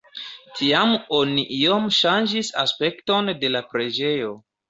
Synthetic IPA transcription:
tʰiamoniʔio̞mʃand͡ʒisaspe̞kto̞nde̞lapɾe̞d͡ʒe̞jo̞

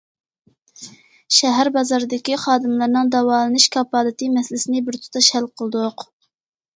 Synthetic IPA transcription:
ʃɛɦæɾbɑzɑɾɨd̪ɪkʲiχɑːd̪ɨmlˠɨɾnɨŋd̪ɑwɑːlˠɨnɨʃkʰɑpɑːlˠɨt̪ɨmɛsɪlɪsɪnɪbɪɾt̪ʰu̥t̪ʰɑʃhælqʰəlˠɨd̪ʊq

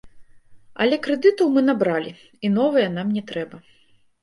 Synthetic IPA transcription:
ɐ̰lʲɛkɾɛd̪ɨt̪ɐwmɨnabɾalʲi | inɔvɨjɐnamnʲɛt̪ɾɛbɐ

